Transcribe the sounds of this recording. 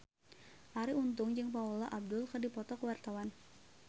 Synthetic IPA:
ʔaɾiunt̪ʊŋd͡ʒɨŋpaulaʔab̚dʊlkərdipɔt̪ɔkəwart̪awan

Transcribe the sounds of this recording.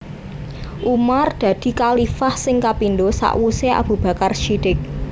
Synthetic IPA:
ʔumard̪̥ä̤d̪̥i̤kalifahsɪŋkapindosa̰ʔwuseʔa̰b̥ṳb̥ä̤karʃid̥ɪk̚

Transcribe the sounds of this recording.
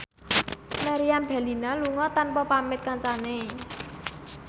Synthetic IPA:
maɾiambɛ̤linaluŋɔt̪anpɔpamɪt̪̚kant͡ʃane

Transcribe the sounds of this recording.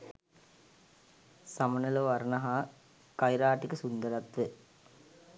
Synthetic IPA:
sɐmɐnɐlɐʋɐɾnɐɦaː | kɐɪɾaːʈːɪkːɯsʊnd̪ɐɾɐt̪ʋɯ

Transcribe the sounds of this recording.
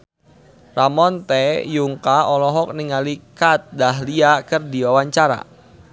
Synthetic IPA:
ramɔnt̪ɛjuŋkaɔlɔɦɔk̚niŋalikat̪̚daɦliakərdiwawaɲt͡ʃaɾa̰

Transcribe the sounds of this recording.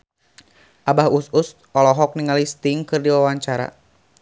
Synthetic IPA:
ʔabahusus | ɔlɔɦɔk̚niŋalist̪iŋkɨrdiwawaɲt͡ʃaɾa̰

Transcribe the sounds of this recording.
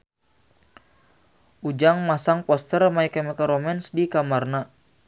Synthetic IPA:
ʔud͡ʒaŋmasaŋpɔst̪ərmaikɛmɛkaɾɔmɛnsdikamarna

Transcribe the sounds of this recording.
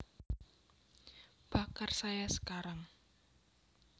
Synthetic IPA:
b̥a̤karsajasə̥kaɾaŋ

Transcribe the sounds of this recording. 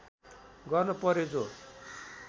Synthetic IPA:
ɡʌrnʌpʌɾjed͡zo

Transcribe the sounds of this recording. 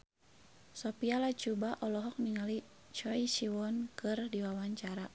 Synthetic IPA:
sɔpialat͡ʃubaʔɔlɔɦɔk̚niŋali | t͡ʃɔisiwɔnkɨrdiwawaɲt͡ʃaɾa

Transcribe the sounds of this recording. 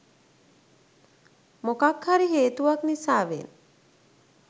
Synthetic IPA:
mokakhaɾiɦeːt̪uʋaknisaːʋḛn

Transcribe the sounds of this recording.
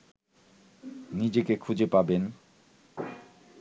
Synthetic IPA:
nid͡ʑekekʰud͡ʑepaben

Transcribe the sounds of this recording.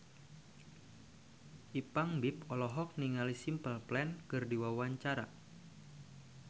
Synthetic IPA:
ʔipaŋbipɔlɔɦɔk̚niŋalisimpəlplɛnkɨrdiwawaɲt͡ʃaɾa

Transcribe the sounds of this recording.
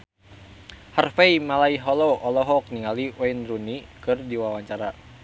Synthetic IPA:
harfeimalaiɦɔlɔːlɔɦɔk̚niŋaliwɛinrunikɨrdiwawaɲt͡ʃaɾa

